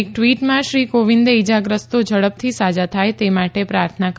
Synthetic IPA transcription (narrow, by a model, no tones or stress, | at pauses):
ek̚ʈʋiʈmãʃɾikoʋind̪eid͡ʒaɡɾəst̪od͡ʒəɽəp̚t̪ʰisad͡ʒat̪ʰajt̪emaʈepɾaɾt̪ʰənak